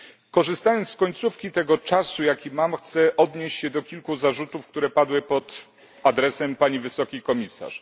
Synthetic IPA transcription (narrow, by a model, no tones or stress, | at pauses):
kɔʐɘst̪ajɔnt̪kɔɲt̪sufkʲit̪ɛɡɔt͡ʂasujakʲimamxt̪sɛʔɔd̪ɲeɕt͡ɕɕɛd̪ɔkʲilkuzaʐut̪ufk̚t̪uɾɛpad̪wɘpɔt̪ | ad̪ɾɛsɛmpaɲivɘsɔkʲikɔmʲisa̰ʂ